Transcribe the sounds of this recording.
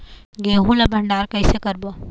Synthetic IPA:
ɡeːɦũlɐbʱəɳɖaːɾkəjsekəɾbo

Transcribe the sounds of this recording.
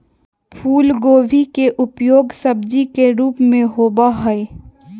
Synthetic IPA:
pʰuːlɡoːʋʱikeʔʊpjoːɡsəbd͡ʒikeɾuːpmẽɦoːbaɦɛe

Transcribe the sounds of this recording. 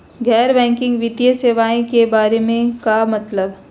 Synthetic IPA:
ɡɛːɾbɛ̃ːŋkɪ̃ŋɡʋɪt̪jəseːʋaːẽkebaːɾemẽkamɐt̪ləb

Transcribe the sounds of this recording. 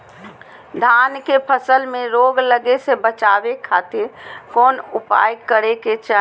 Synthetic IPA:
d̪ʱankepʰəsəlmeɾoɡləɡesebət͡ʃabekʰat̪ɪɾkoːnupa̰jkəɾeket͡ʃa

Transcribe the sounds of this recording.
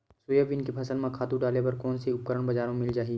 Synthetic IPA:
sʊjəʋɪnkepʰɐsəlmãkʰaːt̪ũɖaːlepɐɾkɔːnseʊp̚kəɾəɽ̃bɐd͡ʒaːɾõmɪld͡ʒaːɦiː

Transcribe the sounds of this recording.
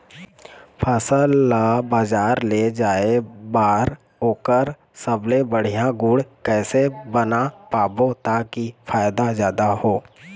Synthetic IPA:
pʰəsəlːabaːd͡ʒaːɾled͡ʒaːebaːɾ | ɦoːkəɾ | səblebəɽ̤ijãɡʊɽkɛːsebənapaːbot̪akipʰaːjd̪azjaːd̪ahoː

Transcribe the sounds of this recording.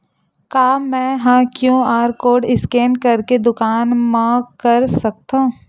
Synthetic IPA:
kaːmɛ̃ːɦãkjõaːɾkoːɾɖɪskeːnkɐɾked̪ʊkaːnmãkɐɾsɐk̚t̪ãː

